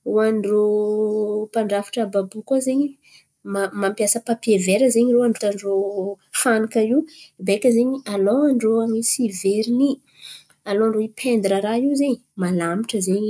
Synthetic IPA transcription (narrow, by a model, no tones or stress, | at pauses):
oanɖ͡ʐo | paɳɖ͡ʐafi̥ʈ͡ʂəbabukozeɲi | mamampijasəpapeveɾəzeɲiɾoaɳɖ͡ʐut̪aɳɖ͡ʐo | fanikaiwbekʲəzeɲialowaɳɖ͡ʐoamisiveɾini | aloaɳɖ͡ʐoipʰend̪ɾəɾaiwzeɲ | malamiʈ͡ʂəzeɲi